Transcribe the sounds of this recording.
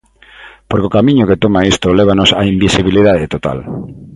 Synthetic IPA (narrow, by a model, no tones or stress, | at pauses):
poɾkokamĩɲʊket̪omaist̪oleβanosaimbisiβiliðaðet̪ot̪a̰l